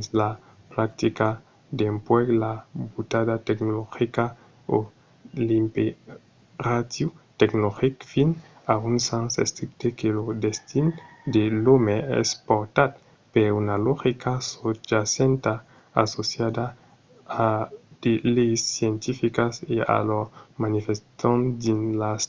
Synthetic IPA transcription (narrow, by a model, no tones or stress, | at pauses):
sla | pɾak̚t̪ika | d̪empweɡlabut̪adat̪eknoloxika | o | limpe | rat̪jut̪eknoxikfin | aunsansḛst̪ɾik̚t̪ekelod̪est̪ind̪elomeɛ̰spoɾt̪at̪̚ | peunaloxikasod͡ʒasent̪a | asosjad̪a | ad̪̥elejsːjent̪ifikasea̰lomanifest̪ond̪inlas